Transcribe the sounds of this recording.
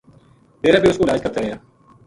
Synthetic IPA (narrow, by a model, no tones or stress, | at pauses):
t̪eːɾaːbʱiːʊskoɪlaːd͡ʒkət̪aɾəɦjaː